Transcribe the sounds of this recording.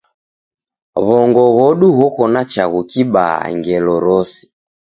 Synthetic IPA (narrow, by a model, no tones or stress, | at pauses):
βɔŋɡɔɣɔɗuɣɔkɔnat͡ʃaɣukiɓa̰a̰ŋɡɛlɔɾɔsi̥